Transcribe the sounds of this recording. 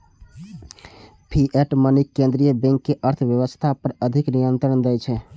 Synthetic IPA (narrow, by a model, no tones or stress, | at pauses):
pʰiʔɛʈmənikːẽnd̪ɾijəbẽŋkːeʔəɾt̪ʰəʋjəwəst̪ʰapəɾəd̪ʱiknijənt̪ɾənd̪ɛjt͡ʃʰɛ